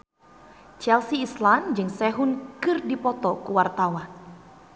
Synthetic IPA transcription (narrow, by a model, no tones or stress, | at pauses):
t͡ʃɛlsiːsland͡ʒɨŋsɛɦʊnkɨrdipɔt̪ɔkuwart̪awan